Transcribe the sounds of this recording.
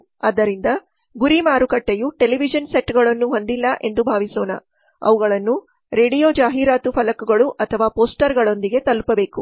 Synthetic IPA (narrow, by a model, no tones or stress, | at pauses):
ɐd̪ːɐɾind̪ɐ | ɡuɾimaːɾukɐʈːejuʈeliʋid͡ʒɐnseʈːɡɐɭɐnːuɦo̞nd̪ilːɐʔe̞nd̪ubʱaːʋisoːnɐ | ɐ̰ʋuɣɐɭɐnːu | ɾe̞ːɖijoːd͡ʒaːɦiːɾaːt̪upʰɐlɐkuɡɐɭuʔɐt̪ʰɐʋaːpoːsʈɐɾɡɐɭo̞nd̪iɡe̞t̪ɐlupɐbe̞ːku